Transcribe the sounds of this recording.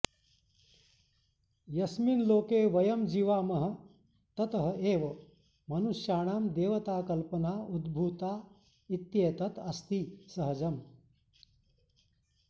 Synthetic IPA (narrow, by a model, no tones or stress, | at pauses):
jɐsminloːkeːʋɐjɐmd͡ʒiːʋaːmɐɦɐ̆ | t̪ɐt̪ɐɦɐeːʋɐ | mɐnusjaːɳ̃aːmd̪eːʋɐt̪aːkɐlpɐnaːud̪bʱuːt̪aː | it̪jeːt̪ɐt̪ɐst̪isɐɦɐd͡ʒɐm